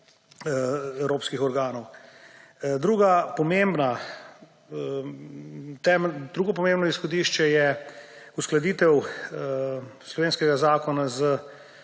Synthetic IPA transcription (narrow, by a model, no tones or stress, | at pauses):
ɛwɾoːpskixɔɾɡaːnɔw | d̪ɾuːɡapɔmembna | t̪ɛmd̪ɾuːɡɔp̬ɔmeːmbnɔisxɔd̪iːʃt͡ʃɛjɛ | usklɐd̪iːt̪ɛw | slɔʋeːnskɛɡazaːkɔnazə